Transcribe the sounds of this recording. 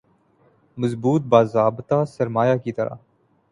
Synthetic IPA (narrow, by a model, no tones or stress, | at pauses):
məzbuːt̪̚baːzaːbt̪aːsɐɾmaːjaːkiːt̪ɐɾa̰ː